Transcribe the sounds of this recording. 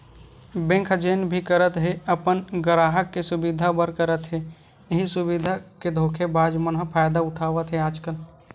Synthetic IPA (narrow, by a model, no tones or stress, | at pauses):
bẽŋkʰd͡ʒeːnbʱikəɾət̪ɦeəpənɡəɾaːɦəkːesʊbid̪ʱabəɾkəɾət̪ɦe | ɦisʊbid̪ʱaked̪ʱoːkʰebaːd͡ʒmənɦəpʰaːjd̪aʊʈʰaːʋət̪ɦɛaːd͡ʒkəl